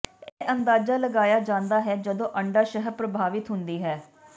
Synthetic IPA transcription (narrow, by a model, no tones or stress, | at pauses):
eːʔənd̪aːd͡ʒaːləɡaːjaːd͡ʒãːnd̪aːɦɛːd͡ʒəd̪õːʔəɳɖaːʃəɦpɾəbʱaːʋɪt̪ɦʊnd̪iːɦɛː